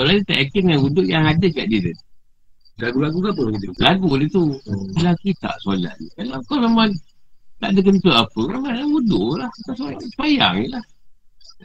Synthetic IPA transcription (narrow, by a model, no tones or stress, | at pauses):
solaʔdit̪aʔjakɪnŋanudʊʔjaŋadakaʔdidət̪ | laɡulaɡukapəakit̪əlaɡulit̪ulakit̪a̰ʔsola̰ʔnḭkalawkawsemant̪a̰ʔdək̬ənt̪uapəmamanaudʊ̰ʔlahit̪asbajaʔsəbaja̰ŋilah